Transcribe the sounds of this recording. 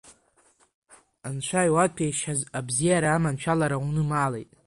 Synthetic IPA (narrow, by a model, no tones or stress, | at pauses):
anʃʷʰajwat̚ʼpʲʰejʃazabzijaɾaːmant͡ʃʷᶣʰalaɾawunɨmaːlejtʼ